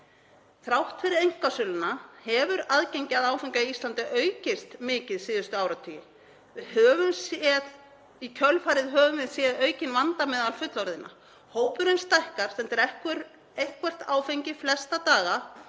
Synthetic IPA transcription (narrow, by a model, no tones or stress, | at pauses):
θɾawht̪fɪɾɪðejŋ̥kvasʏlʏnahɛvʏɾaðcejɲcɪaðaːwfejɲcaiist̪lant̪ɪʔœːɥcɪst̪mɪːcɪðsiːðʏst̪ʏaːwɾat̪ʰʏːjɪ | ɪhœːvʏmsɛt̪ | icʰœlfaːɾɪðɦœːvʏmvɪðsjɛðœːɥcɪnvant̪amɛːðalfʏt̪lɔɾðɪnʔa̰ | hoːwpʏɾenst̪ajhkaɾ̥sɛmt̪ɛɾɛhkʏɾ | ejhkvɛr̥t̪aːwfejɲcɪflɛst̪at̪aːɣa